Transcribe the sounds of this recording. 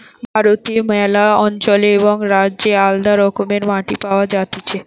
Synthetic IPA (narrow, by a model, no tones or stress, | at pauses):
bʱaɾot̪iemɛlaɔnt͡ɕoleboŋɾad͡ʑeald̪aɾɔkomeɾmaʈipaoad͡ʑat̪et͡ɕʰe